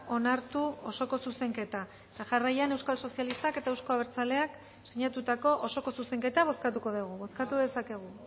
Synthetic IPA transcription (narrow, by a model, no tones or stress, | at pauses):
o̞naɾt̪uo̞so̞ko̞suse̞ŋke̞t̪a | t̪aʝarajane̞wskalso̞sialist̪ake̞t̪aewsko̞aβeɾt͡sale̞ak | siɲat̪ut̪ako̞ʔoso̞ko̞suse̞ŋke̞t̪aβ̞o̞skat̪uko̞ðuɣ̞uβo̞skat̪uðe̞sake̞ɣ̞u